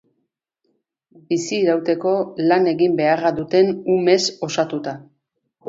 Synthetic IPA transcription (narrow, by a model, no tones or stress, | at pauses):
bisiːɾawt̪e̞ko̞lane̞ɣimbe̞araðut̪e̞nume̞so̞sat̪ut̪a